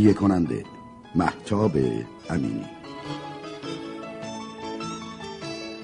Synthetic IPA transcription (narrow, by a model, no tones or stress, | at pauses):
jekʰonænd̪ḛ | mæ̰ht̪ʰɒːbḛ | ʔæmḭːnḭ